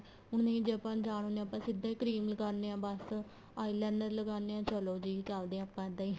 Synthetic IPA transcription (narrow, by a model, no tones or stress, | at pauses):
ʊɳnĩːd͡ʒeəpãːd͡ʒaːɳ̃ɦoːneãːpãːsɪd̪ãːiːkɾiːmləɡaːɾneãːbəs | aːiːlɛːnɖəɾləɡaːneːãːt͡ʃəloːd͡ʒiːt͡ʃald̪eːãːpːãːɪd̪aːiː